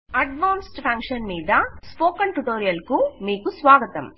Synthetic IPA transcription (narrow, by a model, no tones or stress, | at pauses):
ɐɖʋaːnsʈpʰɐŋkʂɐnmiːd̪ɐspoːkɐɳʈuʈoːɾijɐlkumiːkusʋaːɡɐt̪ɐm